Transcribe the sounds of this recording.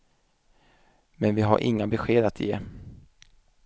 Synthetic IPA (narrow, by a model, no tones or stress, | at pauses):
mɛnvɪɦa̰ɾʔɪ̰ŋːabɛɧeːd̪at̪ʰjḛː